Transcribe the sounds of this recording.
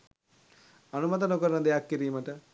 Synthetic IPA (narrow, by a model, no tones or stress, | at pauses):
ɐnumɐt̪̬ɐnokɐɾɐnɐd̪ejakːiɾijmɐʈə